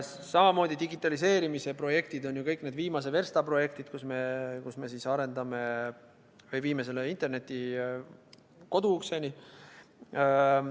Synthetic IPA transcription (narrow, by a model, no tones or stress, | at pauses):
sɑmɑmo̞ːd̪id̪iɡit̪ːˑɑlis̬e̞ːɾimise̞pro̞je̞k̚t̪id̪o̞njukɤjkːne̞ːd̪viːmɑs̬eve̞rst̪ɑpro̞je̞kt̪id̪̥kusme̞kusme̞sisɑɾe̞nd̪ɑme̞ | vɤjviːmes̬e̞leint̪ˑe̞rne̞t̪ʲːˑi | ko̞d̪ukse̞nʲi